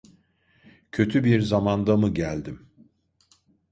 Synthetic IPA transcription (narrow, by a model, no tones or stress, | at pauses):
cʰø̞t̪ʰybiɾzamand̪amɯɟælʲd̪im